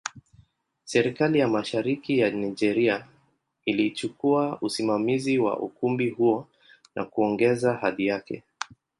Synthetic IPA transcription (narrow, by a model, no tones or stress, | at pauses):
sɛɾikalijamaʃaɾikijanajd͡ʒɛɾia | ilit͡ʃukuausimamiziwa̰ʔṵkumbihuɔ | nʔa̰kuɔŋɡɛzahaðijakɛ̰